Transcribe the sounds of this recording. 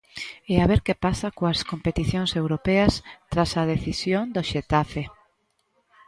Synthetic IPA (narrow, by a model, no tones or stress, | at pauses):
eaβeɾkepasɐkoaskompet̪iθjõŋsewɾopɛɐst̪ɾasɐð̞eθisjoŋd̪oʃet̪afe